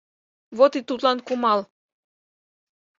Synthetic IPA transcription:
vot̪it̪ut̪lɑnkumɑl

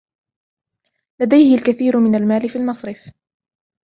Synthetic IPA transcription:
lad̪ajhɪlkaθiːɾʊmɪnalmaːlɪfiːlmɑsˤɾɪf

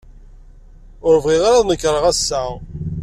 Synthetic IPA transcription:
ʊɾvʁiʁaɾaðnəkːɾˤəʁæsːæ

